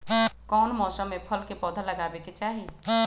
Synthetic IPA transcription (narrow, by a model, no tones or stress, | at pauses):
kɔːnmɔːsəmːẽpʰəlkepɔːd̪ʱalɐɡaːbeket͡ʃaːɦi